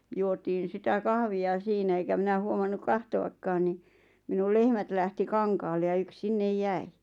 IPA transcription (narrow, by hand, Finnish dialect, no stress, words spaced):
juotiːn̞ sitæ kɑhʋiɑ siːnæ eŋkæ minæ huomɑnːuk kɑhtoɑkːɑːn ni minul lehmæt læhti kɑŋkɑːlːe jɑ yks sinːej jæi